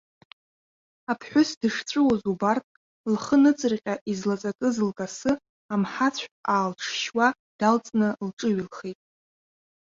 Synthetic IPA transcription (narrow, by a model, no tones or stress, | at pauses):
apʰħʷᶣʊsdɨʂt͡sʷʼɨwazubartʼ | lχənɨt͡sʼɨrqʲʼaʔizlat͡sʼakʼɨzɨlkʼasɨ | amħat͡sʷʰaːlʈ͡ʂʰʃwa | d̥alt͡sʼnɨlʈ͡ʂʼɨɥilχejtʼ